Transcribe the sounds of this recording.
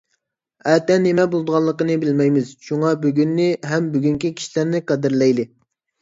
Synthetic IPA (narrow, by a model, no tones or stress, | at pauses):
ɛt̪ɛnːemɛbolˠd̪əʁɑlˠːəqənɨbɪlmɛjmɪz̥ʃuŋɑbyɡʲynːɪɦɛmbyɡʲyŋkʲikʲʰi̥ʃilæɾnɪqæd̪ɪɾlɛjd̪ɪ